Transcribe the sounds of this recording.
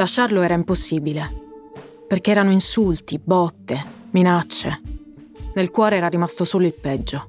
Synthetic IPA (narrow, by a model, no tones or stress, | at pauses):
laʃːarloɛːɾaimposːiːbile | perkeɛːɾanoinsult̪ibɔt̪ːeminat͡ʃːe | nelkwɔːɾeɛːɾarimast̪osoːloilpɛd͡ʒːo